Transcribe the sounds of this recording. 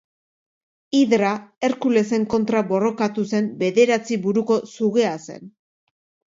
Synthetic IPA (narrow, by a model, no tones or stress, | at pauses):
iðɾae̞ɾkule̞se̞ŋko̞nt̪ɾaβo̞ro̞kat̪use̞mbe̞ðe̞ɾat͡siβuɾuko̞suɣe̞ase̞̰n